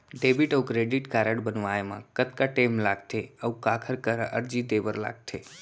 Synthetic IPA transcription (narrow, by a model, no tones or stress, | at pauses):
ɖebiʈəukɾeɖiʈkaɾəɽbənʋajmã̰kət̪kaʈemlaɡt̪ʰeəũkakʰəɾkəɾəɾd͡ʒid̪eʋəɾla̰ɡ̚t̪ʰe